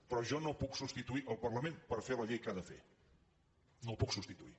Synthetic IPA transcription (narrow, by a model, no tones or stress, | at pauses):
pɾɔʒɔnopuksust̪it̪uiʔəlˠpəɾləmenpəɾfeləʎejkaðəfḛ | nõwpuksust̪it̪ui